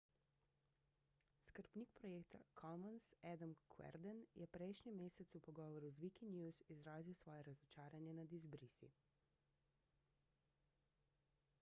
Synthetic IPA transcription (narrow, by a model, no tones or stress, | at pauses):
skəɾpniːk̚pɾɔjeːkt̪akʰɔmɔnsɛd̪ɔmkʰwɛ̰ɾd̪ɛnjʔɛpɾɛːʃɲimeːsɛt̪supɔɡɔːʋɔɾuzʋikinjuːzizɾaːziwsʋɔːjɛɾazɔt͡ʃaːɾanjɛnad̪izbɾisḭ